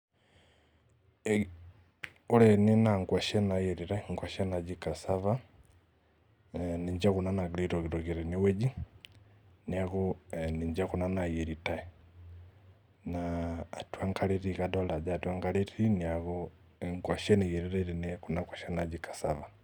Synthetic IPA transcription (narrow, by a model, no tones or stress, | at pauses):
ulɛnɛnaŋɡwaʃɛnajɛɾiɾaŋkwaʃɛnad͡ʒikasava | niɲd͡ʒakunanaɡliɾɔkiɾɔkiɾɛniwɛd͡ʒi | niakuniɲd͡ʒakunanajɛɾitaɛ | naːtwaŋkaleɾikadɔlad͡ʒatwaŋkaletiniakɔ | ŋɡwaʃɛnijɛɾiɾaiɾɛnɛkunakwaʃɛnad͡ʒikḁsava